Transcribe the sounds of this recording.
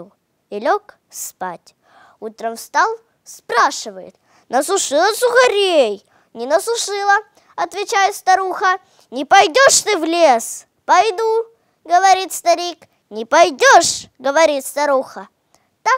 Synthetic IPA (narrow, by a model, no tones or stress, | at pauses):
ɪlʲok | spa̰tʲ | ut̪ɾəmfst̪alˠ | spɾaʂɨvəjɪ̰t̪̚ | nəsʊʂɨlˠəsʊxɐɾʲej | nʲɪnəsʊʂɨlˠə | ɐt̪vʲɪt͡ɕæjɪt̪st̪ɐɾuxə | nʲɪpɐjdʲoʂt̪ɨvlʲes | pɐjd̪u | ɡəvɐɾʲit̪st̪ɐɾʲik | nʲɪpɐjdʲoʂɡəvɐɾʲit̪st̪ɐɾuxə | t̪a